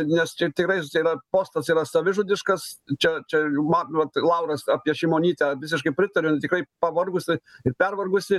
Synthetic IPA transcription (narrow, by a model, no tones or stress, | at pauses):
nʲɛst͡ʃʲɛt̪ʲɪkɾɐɪiːɾɐpoːst̪ɐsiːɾɐsɐʋʲɪʒʊd̪ʲɪʃkɐst͡ʃʲɛt͡ʃʲɛjmɑʋɐt̪lˠɐʊɾɐsɑːpʲiɛʃʲɪmoːnʲiːt̪ʲɛʋʲɪsʲɪʃkɐɪpʲɾʲɪt̪ɐɾʲʊt̪ʲɪkɾɐɪpɐʋɐrɡʊsʲɪɪrpʲɛrʋɐrɡʊsʲɪ